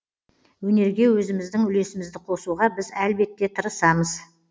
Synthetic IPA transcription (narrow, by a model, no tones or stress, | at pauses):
wɵne̞ɾɡʲe̞wɵzɪmɪzd̪ɪŋʏle̞sɪmɪzd̪ɪqʰo̞suʁɑbɪzælbe̞t̪ːe̞t̪ʰəɾəsɑməz̥